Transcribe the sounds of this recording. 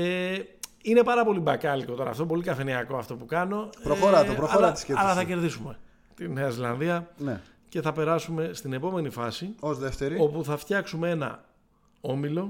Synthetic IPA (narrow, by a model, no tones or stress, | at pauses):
e | ine̞pɐɾɐpo̞libɐkɐliko̞t̪o̞ɾɐ̰ft̪op̬o̞likɐfe̞niɐko̞ɐft̪opukɐno̞pɾooɾɐt̪opɾooɾɐt̪i̥skeɐlɐɐθɐce̞ɾðisume̞ | t̪ineɐizlɐnðiɐne | ce̞θɐpe̞ɾɐsume̞st̪ine̞po̞me̞nifɐsiozðeft̪eɾio̞puθɐft̪çɐksumee̞nɐ̰ | o̞milo̞